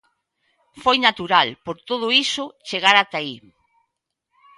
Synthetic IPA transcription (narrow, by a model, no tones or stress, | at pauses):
fojnat̪uɾalpoɾt̪oð̞ʊisʊt͡ʃeɣaɾat̪ai